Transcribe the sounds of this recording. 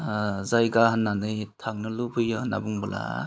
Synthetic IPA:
zajɡaɦanːanɯjtʰaŋ̚nɯlubʰɯjɯhɯna̰buŋbɯla̰

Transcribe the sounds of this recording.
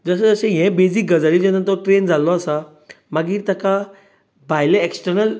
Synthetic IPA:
d͡zəsəd͡zəɕẽɦɛ̃bed͡zikɡəd͡zalid͡ʑẽnət̪ɔʈɾend͡zʱalɔəsa | maɡiːɾt̪aka | bʱajleeksʈəɾnəl

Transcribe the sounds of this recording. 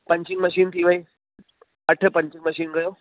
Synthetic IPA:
pəɲt͡ɕiŋɡməɕiːnt̪ʰiʋəi | əʈʰəpəɲt͡ɕĩŋɡməɕiːnɡəjo

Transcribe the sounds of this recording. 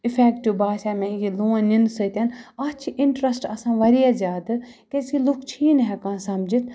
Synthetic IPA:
ɪfʰɛːkʈubaːsaːmɛ̃jiluːãnind̪sət̪ɐnɐt͡ʃʰiʔɪɳʈɾɐsʈɐsãːʋɐɾijazʲjaːd̪ | kesilukt͡ʃʰiːnɦɛkãːsɐmd͡ʒit̪ʰ

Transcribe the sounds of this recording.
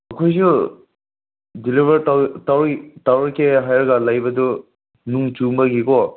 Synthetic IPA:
ɐkʰojzu | dilibɐɾatawɾtawkeɦajɐɾɡalajbɐdu | nuŋt͡ʃumbaɡikɔ

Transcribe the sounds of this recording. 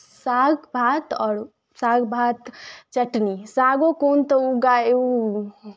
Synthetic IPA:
saɡbʱat̪ɔːɾ | saɡbʱat̪t͡ʃəʈnisaɡokoːnt̪əuɡaeu

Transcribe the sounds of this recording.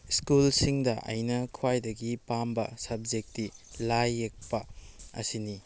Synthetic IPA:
skulsiŋdɐʔɐ̰jnɐkʰwajdɐɡipambɐ̰sɐb̚d͡ʒek̚tilajːek̚pɐɐ̰sini

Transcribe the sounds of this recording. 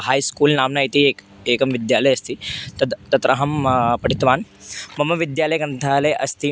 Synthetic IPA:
haːjskuːlnaːmnait̪ieːk | eːkɐmʋɪd̪jaːlɐjɐst̪it̪ɐt̪ɐt̪ɾɐɦɐmpɐɽit̪ʋaːnmɐmɐʋid̪jaːlɐjkɐnt̪ʰaːlɐjʔɐst̪i

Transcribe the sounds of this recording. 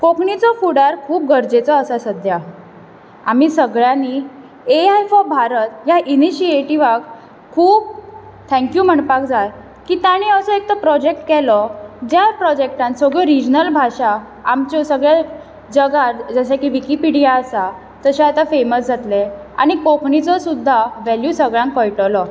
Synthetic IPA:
kokɳit͡sɔfuɽaɾkʰuːp̚ɡʱəɾd͡ʑet͡sɔəsasəd̪ʱja | a̰m̤iːsəɡɭjani | eajfɔbʱaɾət̪jaʔiniɕieʈiʋak | kʰːuːb̚ | t̪ʰɛ̃ŋkjuːm̤əɳpak̚d͡zaj | kiːt̪jaɽ̃iəsɔek̚t̪əpɾɔd͡ʑek̚ʈkɛlɔd͡ʑjapɾɔd͡ʑek̚ʈãnsɔɡɭɔɾid͡ʑnəlbʱaɕaː | mt͡ɕɔsəɡɭja | d͡ʑəɡad͡zəɕakiʋikipiɽijaəsa | t̪əɕaat̪afeməsd͡zʱat̪le | a̰ɽ̃ikokʰɳit͡sɔsud̪ʱːaʋæljusəɡɭjãŋkːəjʈəlɔ

